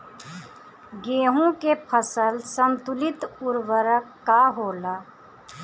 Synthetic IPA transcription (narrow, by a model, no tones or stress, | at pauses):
ɡeːɦõkepʰəsəlsəmt̪ʊlɪt̪ʊɾwəɾəkːaɦoːlaː